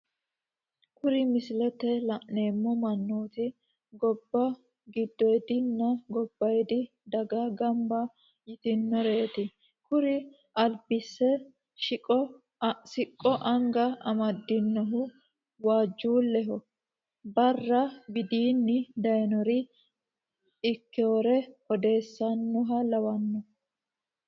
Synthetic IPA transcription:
kʊɾɪmɪsɪlɛt̪ːɛlɐʔneːmːɔmɐnːuːt̪ɪ | ɡɔbːɐ | ɡɪd̪ːɔjɛd̪ɪnːɐɡɔb̥ːɐjɛd̪ɪ | d̪ɐɡɐɡɐmbɐ | jɪt̪ɪnːɔɾe̞ːt̪ɪ | kʊɾɪ | ʔɐlbɪsːɛ | ʃɪɔ | sɪkʼːɔʔɐŋɡɐɐmɐd̪ːɪnːɔɦʊ | waːd͡ʒːuːlːɛɦɔ | bɐrːɐbɪd̪iːnːɪd̪ɐjnɔɾɪ | ɪkːɛwɔɾɛhɔd̪e̞ːsːɐnːʊɦɐlɐwɐnːɔ

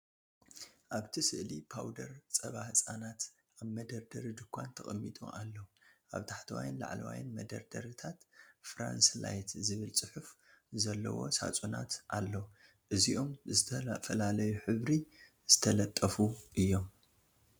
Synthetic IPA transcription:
ʔaβt̪ʰisɨʔlḭpʰawd̪ɐɾt͡sʼɐβaht͡sʼanat̪ | ʔaβmɐd̪ɐɾd̪ɐɾid̪ɨkʰʷːant̪ʰɐkʼɐmːit̪ʼṵʔalːɐʔaβt̪ʰaħt̪ʰɐwa̰jnla̰ʕlɐwa̰jɨnmɐd̪ɐ̰ɾd̪ɐɾɨt̪ʰat̪fɾa̰nsla̰jt̪zɨβɨlt͡sʼɨħuf | zɐlːɐ̰wo̞̰sa̰t͡sʼuna̰t̪ʔalːo | ʔɨziʔo̞mzɨt̪ʰfɐlalɐjuħɨβɾi | z̥ɨt̪ʰɐlɐt̪ʼːɐfuʔɨjːo̞m

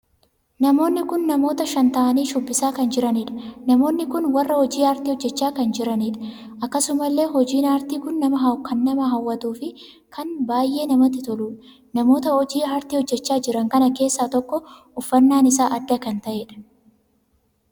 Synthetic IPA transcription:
nɐmo̞ːnːɪkʊnːɐmo̞ːt̪ɐʃɐnt̪ɐʔɐniːʃʊbːɪsaːkɐnd͡ʒɪɾɐnɪᶑɐ̥nɐmo̞ːnːɪkʊnwɐrːɐhɔd͡ʒiːaːɾt̪iːhɔd͡ʒːɛt͡ʃːaːkɐnd͡ʒɪɾɐniᶑɐ̥ | ʔɐkːɐsʊmɐlːe̞ːɦɔd͡ʒiːnaːɾt̪iːkʊnːɐmɐɦɐkʰɐnːɐmɐɦɐwːɐt̪uːfɪ | kʰɐnbaːjʔe̞ːnɐmɐt̪ːɪt̪ɔluːᶑɐ̥ | nɐmo̞ːt̪ɐɔd͡ʒiːaːɾt̪iːhɔd͡ʒːɛt͡ʃːaːd͡ʒɪɾɐŋkɐnɐke̞ːsːaːt̪ɔkːɔ | ʊfːɐnːaːnɪsaːʔɐd̪ːɐkɐnt̪ɐʔeːᶑɐ̥

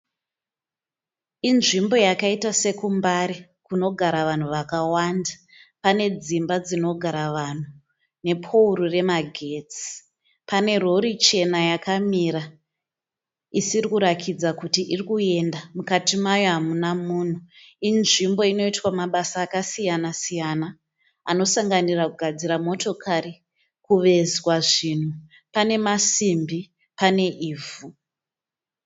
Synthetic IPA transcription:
inʐimbo̞jakaitase̞kumbaɾi | kuno̞ɡʱaɾaʋan̤uʋakawanda | pane̞d͡zimbad͡zino̞ɡʱaɾaʋan̤u | ne̞pʰouɾure̞maɡʱe̞t͡si̥ | pane̞ro̞ɾit͡ʃe̞najakamiɾa | isirikuɾakʰid͡zakutiʔirikue̞ndamukatimajo̞ɦamunamuːn̤uinʐimbo̞ino̞itwamaɓasaːkasijanasijana | a̰no̞saŋɡanirakuɡʱad͡ziɾamo̞to̞kʰaɾi | kuʋe̞zwaʐin̤u | pane̞masimbi | pane̞ʔiːvu

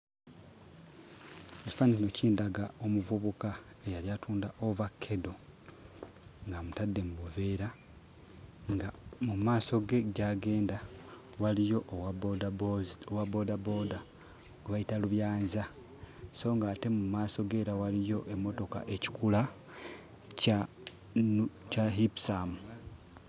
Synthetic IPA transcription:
eci̥faniino̞ciːndaɡao̞muvuβuka | ejaljatʰuːndaʔo̞vakʰːe̞do̞ | ŋɡamutadːe̞muβuve̞ːɾa | ŋɡamumaːso̞ɡe̞ɟaːɡe̞ːnda | walijo̞ʔwa | owabo̞dabo̞ːda | ɡuβaitaluβjaːnza | so̞ːŋɡaːte̞mumaːso̞ɡe̞ːɾawalijo̞ʔe̞mːo̞to̞ka̰ʔe̞ci̥kula | ca | caɦipsamu

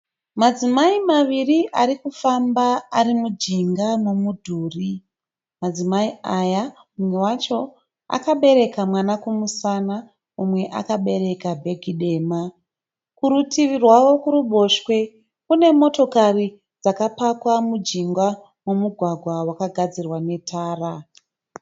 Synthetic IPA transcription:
mad͡zimaimaʋiriʔaɾikufambaːrimud͡ʒiŋɡamomudʱuːri | mad͡zimaiaja | umwe̞wat͡ʃo̞ | a̰kaɓe̞ɾe̞kamwanakumusana | umwe̞ʔa̰kaɓe̞ɾe̞kabʱe̞ɡʱiɗe̞ːma | kuɾutiʋirwaʋo̞kuɾuɓʱo̞ʃkwe̞ | kune̞mo̞to̞kari | d͡zakapakwamud͡ʒiŋɡa | mo̞muɡʱwaɡʱwawakaɡʱad͡zirwane̞tʰaːra

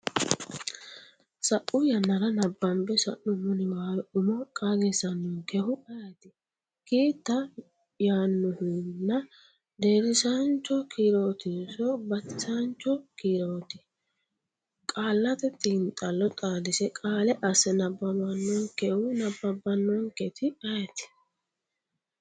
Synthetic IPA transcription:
sɐʔʊjɐnːɐɾɐnɐbːɐmbɛsɐʔːʊmʊnɪmaːlɔʊmɔkʼaːɡesɐnːɔnkɛhʊʔɐjɐt̪ɪ | kiːt̪ːɐ | jaːnːʊhɪnːɐ | d̪eːɾɪsant͡ʃːɔkiːɾo̞ːt̪ɪsɔbɐt̪ːɪsant͡ʃːɔkiːɾoːt̪ɪ̥ | kʼaːlːɐt̪ɛt̪ʼːɪnt̪ʼɐlːɔt̪ʼaːlɪsɛkʼaːlɛʔɐsɛnɐbːɐbɐnːɔŋkɛhʊnɐbːɐbːɐnːɔŋkɛt̪ɪɐjɐt̪ɪ̥

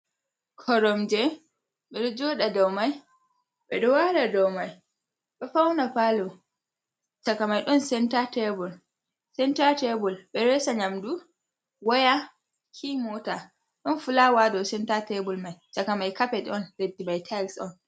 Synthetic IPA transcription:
kʰɔɾɔmd͡ʒɛ | ɓɛɗɔd͡ʒɔɗadɔwmaj | ɓɛɗɔwaɾadɔwmaj | ɓɛfawnapalɔ | t͡ʃakamajɗɔnsɛntatɛbɔl | sɛntatɛbɔlɓɛɾɛsaɲamdu | waja | kʰimɔta | ɗɔnfulawadɔwsɛntatɛbɔlmajt͡ʃakamajkapɛɗɛɔnledibajtʰajlsɔn

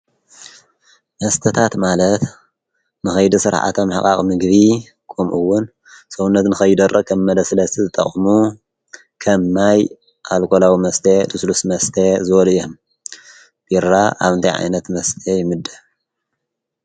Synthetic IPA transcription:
mɐst̪ʰɐt̪ʰat̪malɐt̪ | nɨxɐjd̪isɨɾ̰ħa̰t̪ʰomħakʼaχʼmɨɡβi | kʼomʔɨwːʊn | sowunːɐt̪nɨxɐjd̪ɐrʔɐkʰɐmːɐd̪ɐsɨlɐst̪ʰizɨt̪ʼɐ̰χʼmu | kʰɐmːaj | ʔalkʰolawimɐst̪ʰet̪ʰɨslusmɐst̪ʰezɨwɔljom | b̥iɾaʔa̰βɨnt̪ʰajʕa̰jnɐt̪mɐst̪ʰejɪmɨd̪ːɐ

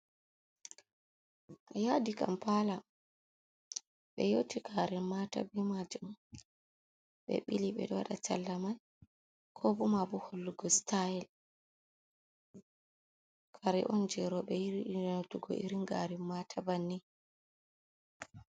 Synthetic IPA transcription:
ʔjadika̰mpala | ɓɛ̰jotiɡaɾimata̰bimad͡ʒum | ɓɛ̰ɓiliɓɛ̰ɗɔwa̰ɗat͡ʃa̰lːamaj | kʰɔbumabuholːuɡɔstajɛl | kʰaɾɛ̰ʔɔnd͡ʒɛɾɔɓɛjiɾituɡɔ̰ʔiɾiŋɡa̰ɾimmatʰabanːi

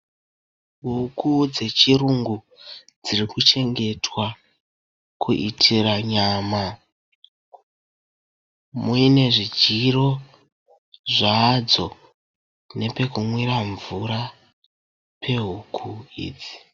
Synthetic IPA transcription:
ɦukud͡ze̞t͡ʃiruŋɡu | d͡zirikut͡ʃe̞ŋɡe̞twa | kuʔitʰiraɲaːma | muine̞ʐid͡ʒiro̞ | ʐad͡zo̞ | ne̞pe̞kumwiɾaɱvuɾa | pʰe̞ɦukʰuḭːd͡zi̥

